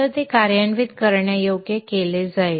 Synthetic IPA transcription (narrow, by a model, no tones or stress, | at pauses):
əɾt̪ekaɾjanʋid̪kəɾɳjajoɡjekeled͡zae